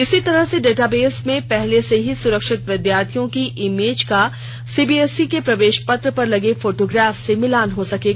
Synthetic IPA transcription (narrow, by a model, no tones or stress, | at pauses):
ɪsit̪ɐɾəɦseɖeːʈaːbeːsmẽpɛɦleseɦisʊɾəkʃɪt̪ʋɪd̪jaːɾt̪ʰijõkiʔɪmeːd͡ʒka | siːbiːɛsikepɾɐʋeːʃpɐt̪ɾəpɐɾlɐɡefoːʈoːɡɾaːfsemɪlaːnɦosɐkeːɡa